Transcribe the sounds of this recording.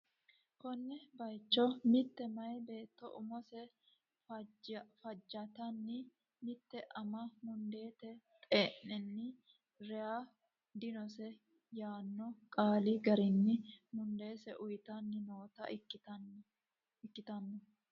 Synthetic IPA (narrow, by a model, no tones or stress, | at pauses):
kɔnːɛbɐjt͡ʃːɔmɪt̪ːɛmɐjbe̞ːt̪ːɔ̰ʔʊ̰mɔsɛ | fɐd͡ʒːɐt̪ɐnːɪ | mɪt̪ːɛʔɐmɐmʊnd̪e̞ːt̪ɛt̪ʼeːʔɛnːɪ | ɾɛjaː | d̪ɪnɔsɛ | jaːnːɔkʼaːliɡɐɾɪnːɪmʊnd̪e̞ːsɛʔʊjt̪ɐnːɪnoːt̪ɐ̰ | ɪkːɪt̪ɐnːɔ